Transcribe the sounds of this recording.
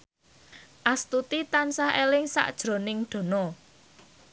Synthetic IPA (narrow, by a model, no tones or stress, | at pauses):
ʔast̪ut̪it̪ansaɦelɪŋsa̰ʔd̥ʒ̥ɾo̤nɪŋɖ̪̥o̤nɔ